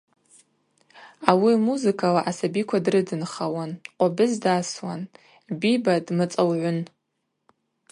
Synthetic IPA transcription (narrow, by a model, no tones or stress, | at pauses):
awimuzɨkʰalaʔasabikʷʰadrɨdɨnχawanqʷʼabɨzdaswa̰n | bibadmɨt͡sʼawʕʷʊn